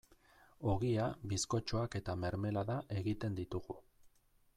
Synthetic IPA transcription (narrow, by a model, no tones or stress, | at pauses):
o̞ɣiaβisko̞t͡ʃo̞ake̞t̪ame̞ɾme̞laðaʔe̞ɣit̪e̞nd̪it̪uɣu